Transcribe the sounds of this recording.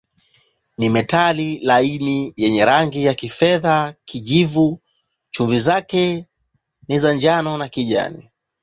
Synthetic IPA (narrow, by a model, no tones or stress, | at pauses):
nimɛtalilainijɛɲɛɾaŋɡijakifɛðakiʄivu | t͡ʃuɱvizakɛ | nizaɲd͡ʒanɔnakiʄa̰nḭ